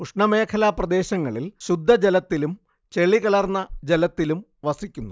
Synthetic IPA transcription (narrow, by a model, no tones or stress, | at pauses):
kuʂɳɐme̞ːkʰɐlaːprɐd̪e̞ːɕɐŋːɐɭilɕud̪ʱːɐd͡ʑelɐt̪ːilum | t͡ɕe̞ɭiɣɐlɐrnːɐd͡ʑelɐt̪ːilum | ʋɐsikʲːunːu